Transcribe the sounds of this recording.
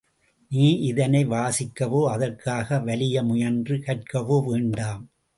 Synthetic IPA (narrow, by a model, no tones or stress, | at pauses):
niːʔɪðɐnɐɪʋaːsɪkːɐʋoːɐðɐrkaːɣɐʋɐlɪjɐmʊjɐndrɯkɐʈ̚kɐʋoːʋeːɳɖaːm